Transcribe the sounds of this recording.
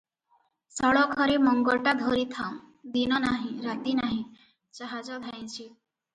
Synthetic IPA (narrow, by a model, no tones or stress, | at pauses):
sɔɭɔkʰɔɾemɔŋɡɔɭʈad̪ʱoɾit̪ʰaw̃ | d̪inɔnaɦĩɾat̪inaɦĩ | t͡ʃaɦad͡ʒɔd̪ʱaj̃t͡ʃʰi